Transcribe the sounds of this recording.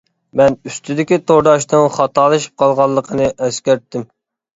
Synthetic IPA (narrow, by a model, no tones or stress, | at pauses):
mɛnyst̪ʰyd̪ɪkʲit̪ʰoɾd̪ɑʃt̪ɨŋχɑt̪ʰɑːlˠɨʃi̥p̚qʰɑlˠʁɑlˠːəqʰənɨʔɛskʲæɾt̪ːɪm